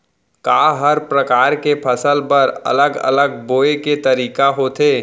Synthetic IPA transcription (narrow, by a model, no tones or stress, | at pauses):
kaːɦəɾpɾɐkaːɾkepʰɐsəlpɐɾɐ̰ləɡɐ̰ləɡ̚boːeket̪ɐɾiːkaɦoːt̪ʰeː